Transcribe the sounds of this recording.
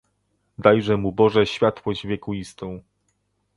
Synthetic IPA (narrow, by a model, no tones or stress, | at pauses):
d̪ajʐɛmubɔʐɛɕfʲjat̪wɔʑvʲjɛkuist̪ɔ̃w̃